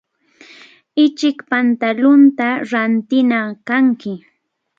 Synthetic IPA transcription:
ɪt͡ʃɪkpant̪alʊnt̪aɾant̪ɪnɑkaŋkɪ

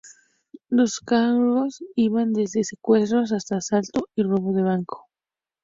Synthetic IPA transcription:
lo̞skaro̞siβand̪e̞zðe̞se̞kwe̞st̪ɾo̞s̬ast̪aːsalt̪o̞iro̞βo̞ðe̞β̞aŋkʰo̥

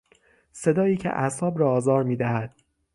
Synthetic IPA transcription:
se̞d̪ɒːjiːcʰḛʔæsɒːbɾɒːzɒːɾmiːd̪æhæd̪̥̚

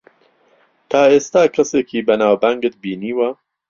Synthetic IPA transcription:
t̪ʰaːest̪aːkʰɐsekibɐnaːwbaŋɡət̪̚biːniːwɐ

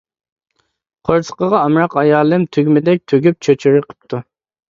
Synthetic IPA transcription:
qʰoɾsə̥qəʁɑɑmɾɑqɑjɑːlˠɨmt̪ʰyɡʲmɪd̪ɛk̚ʲt̪ʰøɡʲyp̚t͡ʃʰøt͡ʃʰyɾɨqʰə̥p̚t̪ʰu

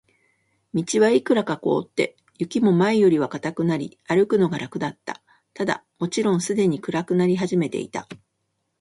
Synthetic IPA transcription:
mʲit͡ɕiβaikɯ̟ɾakako̞ːt̪ːe̞̰ | jɯ̟kʲimo̞maejo̞ɾʲiβakat̪akɯ̟naɾʲiaɾɯ̟kɯ̟no̞ɡaɾʔakɯ̟d̪at̪ːa̰ | t̪ad̪a̰mo̞t͡ɕiɾõ̞ɰ̃sɨd̪e̞ɲ̟ikɯ̟ɾakɯ̟naɾʲiɦaʑime̞t̪e̞̰ḭt̪a̰

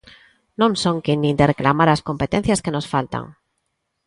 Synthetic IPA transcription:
nõŋsõŋkinĩd̪ereklamaɾaskõmpet̪en̟θjaskenosfalt̪a̰ŋ

